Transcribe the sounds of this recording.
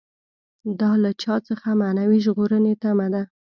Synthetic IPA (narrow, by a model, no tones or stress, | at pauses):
d̪ɑlat͡ʃɑt͡səxamanawiʒɣoɾənet̪amad̪a